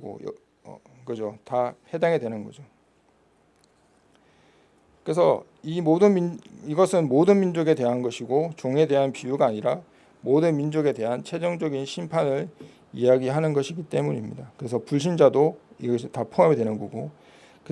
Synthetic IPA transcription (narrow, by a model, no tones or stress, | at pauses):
ɡo̰j̰ | ʌ̰ɡʌd͡ʑotahe̞daŋe̞dwe̞nɯnɡʌd͡ʑo | kɯesʰʌ | imodɯnmiiɡʌsʰɯnmodɯnmind͡ʑoɡe̞dwe̞ɦanɡʌɕʰiɡot͡ɕoŋe̞de̞ɦanpiuɡaːɲiɾa | modɯnmind͡ʑoɡe̞de̞ɦant͡ɕʰe̞d͡ʑʌŋd͡ʑʌɡinɕʰimpʰanɯɾ | ijaɡiɦanɯnɡʌɕʰiɡit͈e̞muɲimɲḭdakɯɾe̞sʰʌpuɭɕ̬ʰind͡ʑadoiɡʌitapʰoɦamidwe̞nɯnɡʌɡo | ke